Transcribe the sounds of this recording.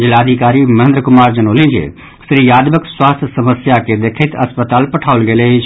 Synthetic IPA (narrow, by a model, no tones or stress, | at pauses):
d͡ʒɪlaːd̪ʱikaːɾimɐɦə̃nd̪ɾəkʊmaːɾd͡ʒɐnoːlĩnd͡ʒḛː | sɾijaːd̪ʋəkswaːst̪ʰsɐməsjaked̪eːkʰet̪ɐspət̪aːlpɐʈʰaːʋəlɡeːlei